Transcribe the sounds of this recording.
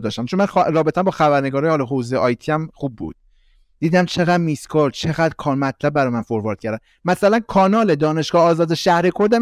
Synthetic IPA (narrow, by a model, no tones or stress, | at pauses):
d̪ɒːʃt̪æmt͡ʃʰonmænxɾɒːbet̪æmbɒːxæbæɾne̞ɡɒːɾɒːjehɒlɒɦoːzejʔɒːjt̪ʰiæmχuːb̚ːṵd̪̥̚ | d̪̥iːd̪æmt͡ʃʰe̞ɣæd̪miskʰoɾd̪t͡ʃʰe̞ɣæːd̪ɾkʰɒːnmæt̪ʰlæb̚ːæɾɒːjemænfoɾvɒːɾd̪cʰæɾd̪æm | mæsælænkʰɒːnɒːled̪ɒːne̞ʃɡ̥ɒːhɒːzɒːd̪eʃæhɾekʰoɾd̪æ